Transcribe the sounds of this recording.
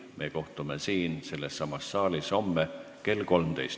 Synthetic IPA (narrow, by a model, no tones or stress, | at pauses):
mʔe̞ko̞ht̪umesiːnse̞lːesːɑmɑsːɑːlisomːe | ke̞lko̞lmt̪e̞̰jst̪